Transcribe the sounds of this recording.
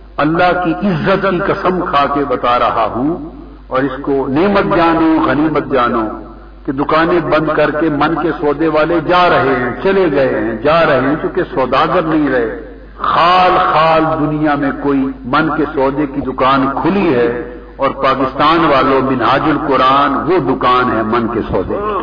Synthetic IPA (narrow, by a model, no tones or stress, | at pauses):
ɐlːaɦkiʔɪzːət̪kikɐsəmkʰaːkebɐt̪aɾɐɦaɦũ | ɔːɾɪskoneːmət̪̚d͡ʒaːnoɣɐniːmət̪̚d͡ʒaːno | ked̪ʊkaːnẽbɐ̃nd̪kɐɾkemɐnkesɔːd̪eʋaːled͡ʒaːɾɐɦeɦɛ̃t͡ʃɐleɡɐeɦɛ̃d͡ʒaːɾɐɦeɦɛ̃t͡ʃũːkesɔːd̪aːɡəɾnɐɦĩɾɐɦe | xaːlxaːld̪ʊnijamẽkoːimɐnkesɔːd̪ekid̪ʊkaːnkʰʊliɦɛː | ɔːɾpaːkɪst̪aːnʋaːlomɪnɦaːd͡ʒʊlkʊɾaːnʋod̪ʊkaːnɦɛmɐnkesɔːd̪ḛ